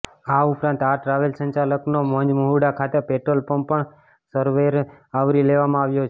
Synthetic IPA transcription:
aupɾãnt̪aʈɾaʋelsə̃ɲt͡ʃaləknomə̃ɲd͡ʒmuɦuɽakʰat̪epeʈɾolpəɳpəɳ | səɾʋeɾ | aʋɾileʋamãaʋjot͡ʃʰe

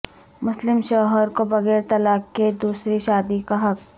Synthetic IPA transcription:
mʊslɪmʃɔːɦəɾkobɐɣɛːɾt̪ɐlaːkːed̪uːsɾiʃaːd̪ikaɦɐk̚

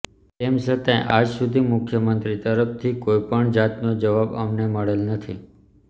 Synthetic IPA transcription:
t̪emsət̪ẽʔad͡ʒsud̪ʱimʊkʰjəmənt̪ɾit̪əɾəft̪ʰikoipəɳd͡ʒat̪nod͡ʒəʋabə̰mneməɭelnət̪ʰḭ

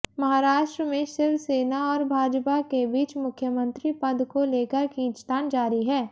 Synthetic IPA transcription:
mɐɦaːɾaːʃʈɾəmẽʃɪɾʋseːnaɔːɾbʱaːd͡ʒpakebiːt͡ʃmʊkʰjəmə̃nt̪ɾipɐd̪ʱkoleːkəɾkĩːt͡ʃt̪aːnd͡ʒaːɾiɦɛː

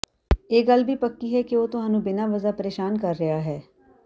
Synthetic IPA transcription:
eːɡɐlbʱipɐkːiɦɛkeʋoːt̪ʊɦaːnũbɪnaʋɐzapɐɾeːʃaːnkɐɾːɐɦaɦɛː

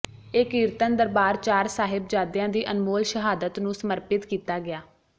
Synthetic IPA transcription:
ɪkiːɾt̪ənd̪əɾbaːɾt͡ʃaːɾsaːɦɪbd͡ʒaːd̪jãːd̪iːʔənmoːlʃəɦaːd̪ət̪nũːsəməɾpɪt̪kiːt̪aːɡɪaː

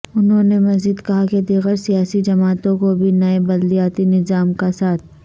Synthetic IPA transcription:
ʊnɦõːnemɐzid̪kɐɦaked̪iɣəɾsijaːsid͡ʒɐmaːt̪õkobʱinɐebɐd̪lijaːt̪inɪzaːmkasaːt̪ʰ

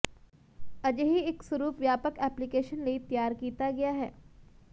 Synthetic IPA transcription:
ɐd͡ʒɦiɪksʊɾuːpʋjaːpəkɛːplikeːʃənlɐit̪jaːɾkiːt̪aɡɐjaɦɛ̰ː

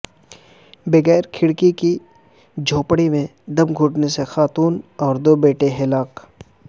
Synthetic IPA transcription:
bɐɣɛːɾkʰɪɽkiki | d͡ʒʱoːpɽimẽ | d̪ɐmɡʱuːʈnesexaːt̪uːnɔːɾd̪oːbeːʈeɦɪlaːq

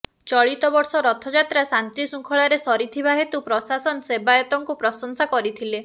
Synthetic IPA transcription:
t͡ʃɔɭit̪ɔbɔɾsɔɾɔt̪ʰɔd͡ʒat̪ɾasant̪ɾisuŋkʰɔɭaɾesɔɾit̪ʰiβaɦet̪upɾɔsasɔnɔsebajɔt̪ɔŋkupɾɔsɔŋsakɔɾit̪ʰile

